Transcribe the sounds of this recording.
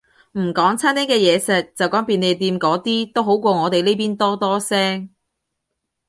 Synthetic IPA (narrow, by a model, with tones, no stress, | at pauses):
m̩˨˩kɔː˨˥ŋt͡sʰaː˥nt̪iː˥kɛː˧jɛː˨˧sɛ˨k̚t͡sɐ˨wkɔː˨˥ŋpiː˨ne˨˧jt̪iː˧mkɔː˨˥t̪iː˥t̪o˥wɦo˨˥wkʷɔː˧ŋɔː˨˧t̪e˨jle˥jpiː˥nt̪ɔː˥t̪ɔː˥sɛː˥ŋ